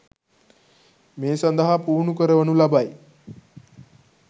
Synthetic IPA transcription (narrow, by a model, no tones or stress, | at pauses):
meːsɐnd̪əɦapuːɾɳukəɾəʋənulabaj